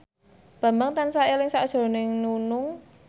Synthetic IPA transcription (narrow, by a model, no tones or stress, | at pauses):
b̥a̤mbaŋt̪ansaʔɛlɪŋsaʔd̥ʒ̥o̤nɪŋnunʊŋ